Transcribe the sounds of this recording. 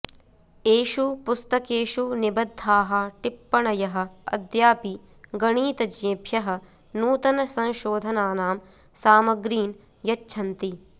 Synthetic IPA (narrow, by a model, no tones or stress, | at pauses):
eːʃupust̪ɐkeːʃunibɐd̪ʱːaːɦɐʈipːɐɳɐjɐɦɐ̆ɐ̰d̪jaːpi | ɡɐɳiːt̪ɐd͡ʒẽːbʱjɐɦɐ̆ | nuːt̪ɐnɐsɐ̃ʃoːd̪ʱɐnaːnaːm | saːmɐɡɾiːn | jɐtːʃʰɐnt̪i